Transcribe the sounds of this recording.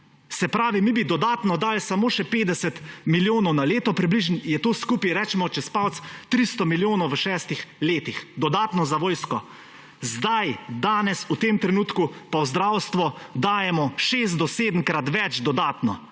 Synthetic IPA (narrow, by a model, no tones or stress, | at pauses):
sɛpɾaːʋimibid̪ɔd̪aːt̪nɔd̪aːlsamoːʃɛpeːd̪ɛsɛt̪miljoːnɔwnaleːt̪ɔpɾibliʒnjɛt̪oːskupiɾɛːt͡ʃɛmɔt͡ʃɛspawt̪st̪ɾist̪ɔmiljoːnɔwʋəʃɛːst̪ixleːt̪ixd̪ɔd̪aːt̪nɔzaʋɔːjskɔ | zd̪ajd̪aːnɛsut̪emt̪ɾɛnuːt̪kupawzd̪ɾaːwst̪ʋɔd̪aːjɛmɔʃes̬t̪̚d̪ɔseːd̪əmkɾat̪ʋɛt͡ʃd̪ɔd̪aːt̪nɔ